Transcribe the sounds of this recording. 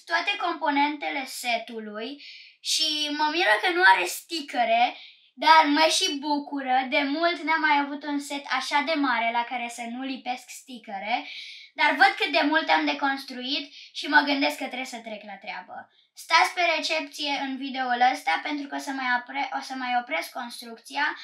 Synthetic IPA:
t̪wat̪e̞ko̞mpo̞ne̞nt̪e̞le̞se̞t̪ulujʃiməmiɾəkənuaɾe̞st̪ikəɾe̞ | d̪arməʃibukuɾəd̪e̞mult̪neamːajavut̪unse̞t̪ʰaʃad̪e̞maɾe̞lakaɾe̞sənulipe̞skst̪ikəɾe̞d̪arvəd̪̚kɨt̪̚d̪e̞mult̪amd̪e̞ko̞nst̪ɾuit̪ʃiməɡɨnd̪e̞skːət̪ɾesət̪ɾe̞klat̪ɾea̰bə̰ | st̪at̪sʲpe̞ɾe̞t͡ʃe̞p̚t̪sije̞ʔɨnvid̪euləst̪ape̞nt̪ɾukəosəmaeʔosəmajo̞pɾe̞skːo̞nst̪ɾukt̪sia

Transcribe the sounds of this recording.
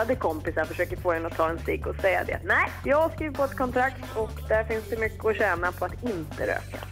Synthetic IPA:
ad̪əkʰɔmpɪsaɾfœʂøːkəɾfoːhɛnːəɔt̪ʰɑːɛnst̪ɪɡɔsɛjːa̰d̪ɛ̰nɛɪjɑːɡhaskɾiːvɪt̪pʰɔɛt̪kʰɔnt̪ʰɾakt̪ʰɔkd̪æɾfɪnsd̪ɛmʏkːəɔɕɛːnapʰɔat̪ɪnt̪əɾø̰ːka̰

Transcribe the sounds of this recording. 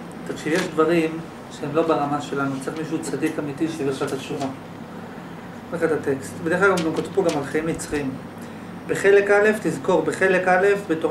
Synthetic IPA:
t̪atʃijeʃdvaʁim | ʃeemlo̞beʁamaʃe̞lanut͡saʁiχmiʃuut͡sadikamitiʃeidʃat̪atʃuva | eχetate̞kstbedeχlaɡamɡamkot̪vipoɡamalχaimit͡sχim | be̞χe̞le̞kale̞ft̪izko̞ʁbeχe̞le̞kale̞fbetoʁ

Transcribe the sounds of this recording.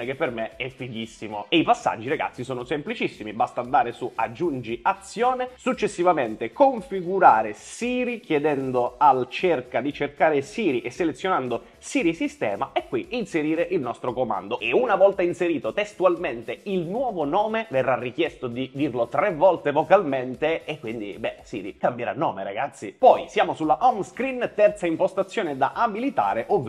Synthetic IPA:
ek̟epːermeɛfːiʎːisːimoeipasːa̰d͡ʒːiɾaɡa̰t̪sːisɔːnosemplit͡ʃisːimibast̪and̪aːɾesuad͡ʒːund͡ʒiat̪sjoːnesut͡ʃːesːivament̪ekoɱfiɡuɾaːɾesiːɾikjed̪ɛnd̪oalt͡ʃerkad̪it͡ʃerkaːɾesiːɾiʔesːelet̪sːjonand̪o | siːɾisist̪ɛ̰ːmaɛkːwiinseɾiːɾeʔilnɔst̪ɾokoma̰nd̪oeunavɔlt̪ainseɾiːt̪ot̪est̪ualment̪eilnwɔːvonɔːmeverːarːik̟jɛst̪od̪id̪irlot̪ɾevɔlt̪evokalment̪eːkːwind̪ḭbɛsḭːɾḭkambjeɾa̰nːɔːmeɾa̰ɡat̪sːipɔjsjaːmosulːaʔɔmskɾint̪ɛrt̪saimpost̪at̪sːjoːned̪aʔabilit̪a̰ːɾeʔov

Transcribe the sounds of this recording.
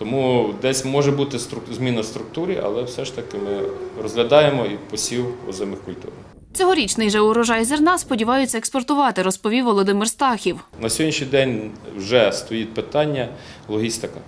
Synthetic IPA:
t̪ɔmud̪ɛsʲmɔʒɛbut̪ɪst̪ɾʊzmʲinɐst̪ɾʊk̚t̪uɾʲiʔɐ̰lˠɛwsɛʃt̪ɐkɪmɪrɔzɦlʲɐd̪ɑjemɔipɔsʲiwɔ̰zɛmɪxkʊlʲt̪ṵɾ | t͡sʲɔɦɔɾʲit͡ʃnɪjʒɛʊɾɔʒɑjzernɑspɔdʲiʋɑjʊt͡sʲːɐekspɔrt̪ʊʋɑt̪ɪɾɔspɔʋʲiwʋɔlˠɔd̪ɪmɪrst̪ɑxʲiwnɐsʲɔɔdʲnʲiʃnʲijd̪ɛnʲwʒɛst̪ɔjit̪̚ʲpɪt̪ɑnʲːɐlˠɔɦʲist̪ɪkɐ

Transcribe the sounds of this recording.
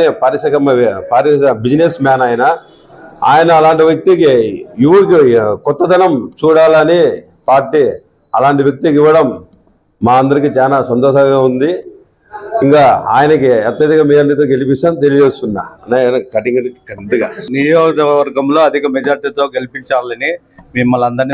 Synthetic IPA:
nipaːɾiʂɐkɐmpaɾibid͡ʒinesmaːnɐːjɐnɐ | a̰ːjɐnɐːlaːɳʈiʋjɐk̚t̪ikiiʋuɽikikɔt̪ːɐd̪ɐnɐmt͡ʃuːɽaːlɐni | paːɾʈːi | ɐlaːɳʈiʋjɐk̚t̪ikiʋːɐɽɐmː | aːɐnd̪ɐɾikit͡ʃaːnaːsɐnt̪ɔːʃɐŋɡaːund̪i | iŋkaːa̰ːjɐnɐkiɛt̪ːɐd̪ikaːmiːɐnːit̪̬oːɡe̞lipit͡ʃːaːnt̪elijd͡ʒest̪unːa̰ːɐɳeɐnɐkɐʈiŋɡɐnkːɐid̪uɡanijɔːɡɐd̪ɐɐʋɐɾɡɐmlo̞ːɐd̪ʱikɐmɛd͡ʒaːɾiʈiːt̪o̞ːɡelipiɲt͡ʃaːlɐni | mimːɐlɐnd̪ɐɾni

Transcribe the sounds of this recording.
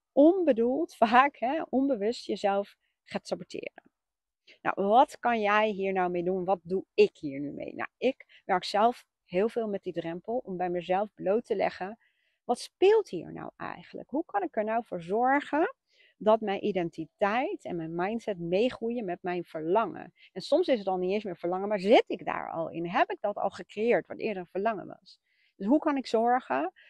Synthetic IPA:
ʔɔnbədulˠtfaːkɦɛɔnbəʋɵstjəzɛlˠf | χaːtsɑbɔtʰɪ̰ːrə̰n | na̰wʋɑtkɑnjɛjɦiːɹnɑwmejdunʋɑt̚duɪkɦiːɹnymḛjna̰wɪk | ʋɛɹksɛlˠf | ɦɪːlˠvɪːlˠmɛt̚didrɛmpəlˠɔmbɛjməzɛlˠvblowtəlɛ̰χən | ʋɑtspɪːlˠtɦiːɛ̰ɹna̰wɛ̰jχənlə̰kɦukɑnɪkɛɹnɑwvʊːɹzɔɹχən | dɑtmɛjnʔidɛntitɛjtɛ̰nmɛjnmɑjntsɛtmejχrujəmɛt̚mɛjnv̥əɹlɑŋə̰n | ɛnsɔmsɪsətɑlˠnitensmɪːɹv̥əɹlɑŋəmaːɹzɪtɪɡda̰ːɹɑ̰lˠɪ̰nɦɛpɪɡ̚dɑtɑ̰lˠχəkrejɪːɹtʋɑntɪ̰ːɹdərəv̥əɹlɑŋə̰ʋɑ̰s | d̥ɵsɦukɑnɪkzɔɹχən

